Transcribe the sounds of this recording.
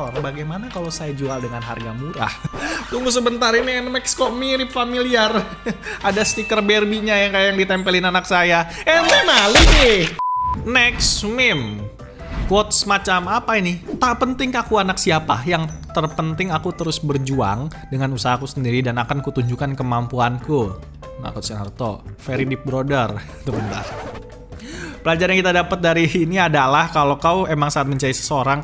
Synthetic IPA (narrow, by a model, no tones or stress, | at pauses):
rbaɡajmanakalosajad͡ʒualdəŋanɦa̰rɡamuɾa̰ht̪uŋɡus̬əbənt̪aɾiniɛnmɛkskɔmiɾipfamiliar | adasət̪ikərbɛrbiɲajaŋkajajaŋdit̪ɛmpəlɪnanaksajaɛnɛmali | nɛksmɪm | kɔt̪̚səmat͡ʃamapainɪt̪apənt̪ɪŋkakuanaksiapa̰jaŋt̪ərpənt̪ɪŋakut̪əɾʊsbərd͡ʒua̰ŋ | dəŋanusaɦakusəndiɾidanakankut̪uɲd͡ʒukankəmampuanku | na̰kusanart̪ofeɾidip̚bɾodər | t̪umənt̪a̰r | pəlad͡ʒaɾankit̪adapət̪̚daɾiːniadalahkalokawemaŋsaːt̪̚məɲt͡ʃaisə̥səoɾaŋ